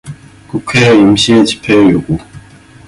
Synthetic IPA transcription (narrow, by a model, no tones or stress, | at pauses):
kukʰeimɕit͡ɕi̥pʰejoɡu